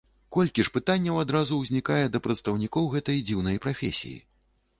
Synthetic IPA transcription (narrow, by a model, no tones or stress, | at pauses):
kɔlʲkʲiʂpɨt̪anʲːɐwad̪ɾazuwzʲnʲikajɛd̪ɐpɾɐt̪st̪ɐwnʲikɔwɣɛt̪ɐjd͡zʲiwnɐjpɾafʲḛsʲḭjḭ